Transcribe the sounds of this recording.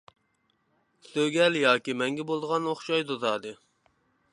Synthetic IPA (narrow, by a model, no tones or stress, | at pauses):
søɡʲɛljɑːkʲimɛŋɡʲɛbolˠd̪əʁɑnoχʃɑjd̪ozɑːd̪ɨ